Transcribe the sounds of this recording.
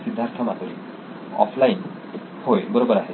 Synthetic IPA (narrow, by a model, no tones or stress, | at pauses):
sid̪ʱːaɾt̪ʰɔmat̪ɔɾi | ɔ̰pʰlajn | hoebɔɾobɔɾaɦe